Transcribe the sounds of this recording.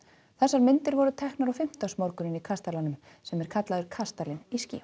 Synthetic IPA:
θɛsːaɾmɪnt̪ɪɾvɔɾʏt̪ʰɛhknaɾɔfɪm̥t̪asmɔɾkʏnɪnikʰast̪alanʏm | sɛmɛɾ̥kʰat̪laðʏɾ̥kʰast̪alɪniscḭː

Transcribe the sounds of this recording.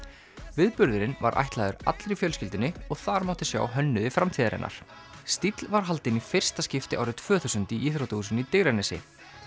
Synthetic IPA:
vɪðpʏɾðʏɾɪnva̰ɾʔa̰jht̪laːðʏɾa̰t̪lɾɪfjœlscɪlt̪ɪnːɪɔɣθaɾmawht̪ɪsja̰ːwɦœnːʏðɪfɾamt̪ʰiːðaɾɛ̰nʔa̰ɾ̥ | st̪it̪lvaɾ̥ɦal̪t̪ɪnifɪr̥st̪ascɪft̪ɪʔa̰wɾɪt̪ʰv̥œːθuwsʏnt̪iʔiːθɾowt̪ausʏnit̪eːɣɾanɛsɪ̰

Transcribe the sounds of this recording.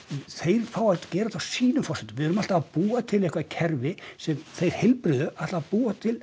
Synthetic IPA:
θejɾ̥fawḁt̪cɛːɾaθawsiːnʏmfɔrsɛt̪ʏmvɪðɛɾʏmalt̪aːðpuːat̪ʰɪlejhkvacʰɛɾvɪsɛmθejɾ̥hɪlpɾʏðʏʔat̪laːpuːat̪ʰɪl

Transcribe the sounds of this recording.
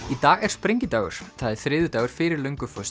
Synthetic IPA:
it̪aːɣɛɾ̥spɾɪɲcɪt̪aːɥɣʏ̰ɾ̥θaðɛ̥θɾɪːðʏt̪aːɣʏɾ̥fɪɾɪɾlœŋkʏfœs

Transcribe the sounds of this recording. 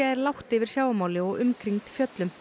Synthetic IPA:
aɛɾlawht̪ɪvɪɾ̥sjaːwamaːwlɪɔɣʏmkʰɾiŋt̪fjœt̪lʏm

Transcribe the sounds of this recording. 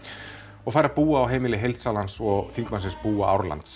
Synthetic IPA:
ɔɣfaːjɾapuːaːwɦejmɪlɪɦejlt̪saːlansɔɣθiŋkmansɪnspuːa̰a̰wɾla̰nt̪s

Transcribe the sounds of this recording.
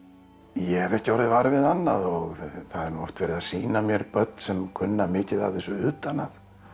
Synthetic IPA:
jɛvɛhcɪɔɾðvaɾvɪðanːaðɔɣθaðɛɾnuːɔft̪vɛːɾɪðasiːnamjɛɾpœt̪̚nsɛmkʰʏnːamɪːcɪðavðɪsɔʏːt̪anað

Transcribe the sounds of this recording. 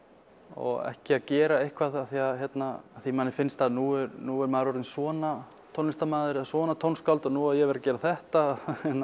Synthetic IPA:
ɔ̰ɣɛ̰hcɪaðcɛːɾaejhkʰvaðaθiaðçjɛt̪naaθimaːnɪfɪnst̪aðnuɛɾnuɛɾmaːɾɔɾtɪnsvɔːna | t̪ʰownɪst̪amaːðɪɾɪasvɔːnat̪ʰownskalt̪ɔnuːaðjɛɣvɛɾacɛːɾaθɛht̪aɛt̪ːa

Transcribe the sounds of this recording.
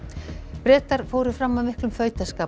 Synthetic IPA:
pɾɛːt̪aɾ̥fowɾʏ̥fɾamːavmɪhklʏmfœːɥt̪askaː

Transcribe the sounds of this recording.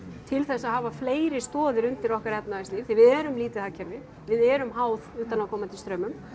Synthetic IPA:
t̪ʰɪlθɛsːahaːvafleːjɾɪst̪ɔːðʏɾʏnt̪ɪɾɔhkaɾɛpnaɪsliːfθivɪðɛːɾʏmliːt̪ɪacʰɛɾvɪ | vɪðɛːɾʏmɦaːwðuːt̪anakʰɔːmat̪ʰɪlst̪ɾœːmʏm

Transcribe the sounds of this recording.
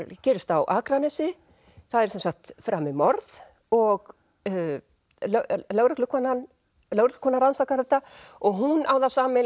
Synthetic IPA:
cɛːɾʏst̪awʔaːkɾanɛsɪ | θaðɛɾsɛnsakt̪fɾʔaːmɪmɔɾð | ɔɣ | llœːwɾɛklʏkʰɔnan | lœwɾʏkl̥kʰɔnːaɾansawkaɾðɛht̪ːaɔɣɦunʔawðasaːmɪ

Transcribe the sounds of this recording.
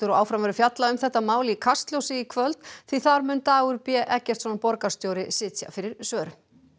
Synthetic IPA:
ʏɾɔaːwfɾamvɛɾʏfjat̪laʏmθɛht̪ːamaːwlɪkʰast̪ljowsɪikʰvœlt̪θiθaɾmʏnt̪aːɣʏɾpjɛʔɛhcːɛr̥t̪sɔnapɔɾkast̪joːwɾɪsɪːt̪ja̰fɪɾɪɾsœːɾʏm

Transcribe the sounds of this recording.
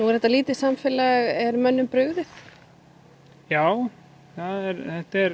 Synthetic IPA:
nuɣɛɾhɛt̪aliːt̪ɪsamfɪlɛɣɛɾmœnːʏmpɾʏːɣðɪθ | jaːw | θaðɛɾθɛht̪ɛɾ

